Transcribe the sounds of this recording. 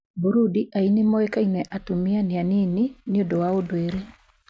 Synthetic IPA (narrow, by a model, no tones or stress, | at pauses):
buɾudiʔainemɔɛkainɛʔatomianeaneninjodowaodoeɾe